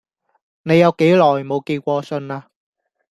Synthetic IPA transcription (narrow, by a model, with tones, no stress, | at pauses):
ne˨˧jːɐ˨˧wke˨˥jlɔː˨˩jmo˨˧wkiː˧kʷɔː˧sɵ˧naː˧